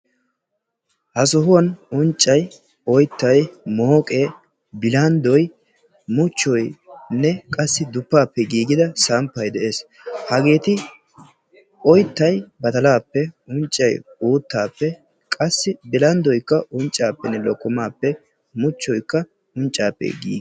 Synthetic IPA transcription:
hɐsɔɦʊwɐnʊnt͡ʃʼːɐj | ɔjt̪ːɐjmoːkʼeː | bɪlɐnd̪ɔj | mʊt͡ʃːɔjnːɛkʼɐsːɪd̪ʊpːaːpːɛɡiːɡɪd̪ɐsampːɐjd̪ɛʔe̞ːs | hɐɡe̞ːt̪ɪ | ɔjt̪ːɐjbɐt̪ɐlaːpːɛʊnt͡ʃʼːɐjuːt̪ːaːpːɛ | kʼɐsːɪbɪlɐnd̪ɔjkːɐʔʊnt͡ʃʼːaːpːɛnːɛlɔkːɔmaːpːɛ | mʊt͡ʃːɔjkːɐ | ʊnt͡ʃʼːaːpːɛ̰ɡḭːɡ

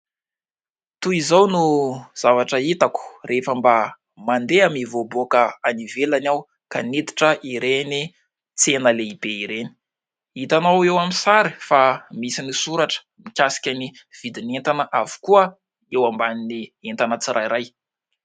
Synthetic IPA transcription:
t̪uizawnuz̥avaʈ͡ʂəit̪aku̥refəmba | mand̪eamivobokəanivelanaw | ka̰nit̪i̥ʈ͡ʂəʔiɾeni | t͡senəleib̥eiɾeni̥ | it̪anawewamisaɾifamisinisuɾaʈ͡ʂə̥ | mikʲasi̥kʲani | v̥id̪inent̪anəʔavu̥kuə | ewambaninient̪anət͡siɾʔajɾaj

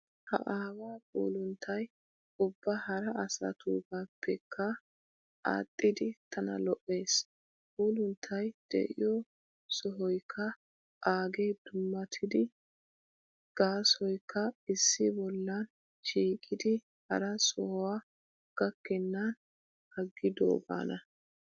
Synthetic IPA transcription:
hɐ̰ʔaːwaːpʼṵːlʊnt̪ʰːɐj | ʊbːɐhɐɾɐɐsɐ̰t̪ʰṵːɡapʰːɛkʰːɐ | ʔa̰ːt̪ʼːɪd̪ɪt̪ʰɐnɐ̰lɔʔːe̞ːs | puːlʊnt̪ʰːɐjd̪̥ɛ̰ʔɪ̰jɔ | sɔɦɔjkʰːɐ | ʔaːɡed̪̥ʊmːɐt̪ʰɪd̪ɪ | ɡ̥aːsɔjkʰːɐɪsːɪbɔlːɐn | ʃiːkʼɪd̪ɪ | hɐ̰ɾɐsɔhɔwaː | ɡ̥ɐkːɛnːɐn | hɐɡːɪd̪o̰ːba̰ːnʔɐ

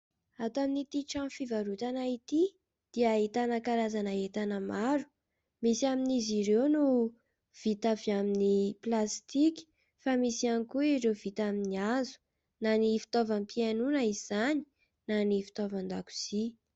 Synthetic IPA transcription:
at̪aminit̪iʈ͡ʂãfivaɾut̪anait̪i | d̪̥iait̪anakaɾazanaet̪anəmaɾu̥ | misiaminizirewnu | v̥it̪aviaminiplast̪iki̥ | famisianikuiɾewvit̪aminiazu̥ | nanifi̥t̪ovəmpianunəiz̥ani̥ | nanifi̥t̪ovand̪a̰ku̥z̥i

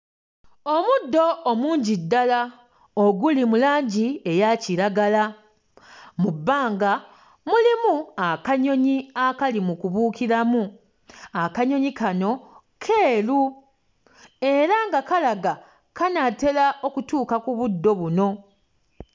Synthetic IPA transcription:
o̞mudːo̞ːmuːɲɟidːala | oɡulimulaːɲɟie̞jaciɾaɡala | mubːaːŋɡa | mulimuakaɲo̞ɲiakalimukuβuːkiɾamu | akaɲo̞ɲikano̞ | kʰe̞ːlu | e̞ɾaŋɡakalaɡa | kanate̞laʔo̞kutuːkakuβudːo̞βuno̞

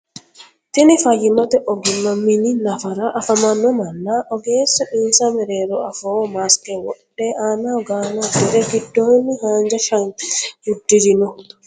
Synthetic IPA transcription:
t̪inifajimɔt̪ɛʔɔɡimamːininafaɾaʔːfamanːɔmalːaʔɔɡɛsɔʔinsamɛɾɛɾɔafɔwɔmaskɛwɔɗːɛanaɡaːnadɛɾɛkidːonihaɲd͡ʒaʃaŋudːid͡ʒinɔ

